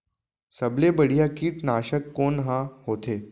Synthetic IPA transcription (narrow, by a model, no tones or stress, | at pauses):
sɐblebəɽ̤ijakiːʈnaːʃəkːoːnɦãɦoːt̪ʰeː